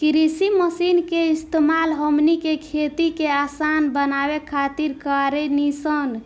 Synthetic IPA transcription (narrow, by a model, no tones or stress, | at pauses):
kɾisiməsinkeist̪emalɦəmnikekʰet̪ikeasanbənabekʰat̪iɾkaɾenisən